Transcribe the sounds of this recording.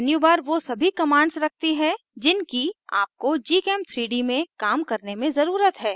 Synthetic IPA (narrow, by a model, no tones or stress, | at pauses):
njubaːɾʋosɐbʱikɐmaːɳɖsɾɐk̚ʰt̪iɦɛ | d͡ʒɪnkia̰ːp̚kod͡ʒiːkɛːm̚t̪ʰɾiːɖimẽkaːmkɐɾnemẽzɐɾuːɾət̪ɦɛː